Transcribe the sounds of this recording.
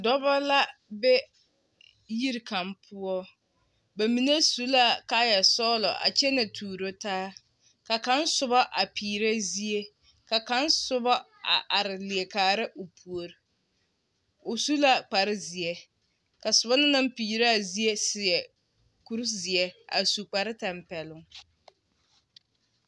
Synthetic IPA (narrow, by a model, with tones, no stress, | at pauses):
dɔ˦ba˦la˦bɛ˦ | ji˦ɾka˨mpʰʊ˦ɔ˦ | ba˨mi˨ne˦su˦la˦ka˦jɛ˨sɔː˦lɔ̰˨ʔa̰˨t͡ʃɛ˦na˨tʰuː˨ɾo˦taː˦ | ka˨ka˦nsʊ˨bɔ˦ʔa˨pʰiː˨ɾa˦zi˦e˦ | ka˨ka˦nsʊ˦bɔ˦ | a̰˨ʔa˨ɾɪ˨lɪ˨ɛ˨kaː˨ɾɪ˦ʔo˨pʰu˨o˨ɾɪ˨ | o˨su˦la˦k͡pa˨ɾɪ˦zɪ˨ɛ˦ | ka˨sʊ˨ba˦na˦na˦m˦piː˨ɾa˦˨zi˦e˦sɪ˨jɛ˨ | ku˦ɾzɪ˨ɛ˦a̰˨su˨k͡pa˨ɾɪ˦ta˨mpɛ˨lʊ˨ŋ